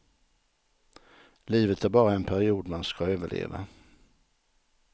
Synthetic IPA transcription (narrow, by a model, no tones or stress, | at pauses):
liːvət̪ʰæɾbɑːɾaɛnpʰæɾɪuːd̪manskaøːvəɭḛːva̰